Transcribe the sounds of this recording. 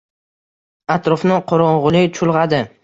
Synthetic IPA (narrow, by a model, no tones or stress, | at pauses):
at̪ɾɒfnɪqʰoɾɒɴʁʊlˠɪt͡ʃʰʊlˠʁɑd̪ɪ